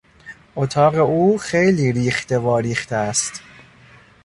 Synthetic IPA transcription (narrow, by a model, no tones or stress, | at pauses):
ʔot̪ʰɒːɣe̞uːxejliːɾiːxt̪e̞vɒːɾiːxt̪ʰeæst̪